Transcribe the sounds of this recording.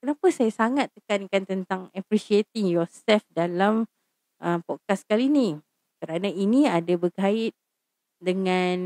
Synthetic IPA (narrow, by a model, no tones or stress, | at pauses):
kənapasajasaŋat̪̚ːəkankant̪ənt̪aŋapɾiʃiet̪ɪŋjɔsɛlfdalam | ʔəmpɔt̪̚kaskalini | kəɾanãinĩadabəkaɪt̪̚ | dəŋãn